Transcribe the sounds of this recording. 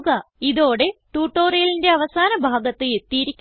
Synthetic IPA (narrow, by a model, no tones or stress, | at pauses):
ɣɐiðo̞ːɽe̞ʈuːʈːoːrɐjlinde̞ɐʋɐsaːnɐbʱaːɡɐt̪ːɨjet̪ːiːɾikʲː